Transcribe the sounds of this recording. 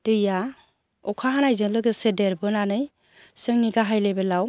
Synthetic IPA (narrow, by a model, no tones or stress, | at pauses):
d̥ɯja | ɔkʰaɦanajzɯŋlɯɡɯsedeɾbɯnanɯj | sɯŋniɡaɦajlebɯlaw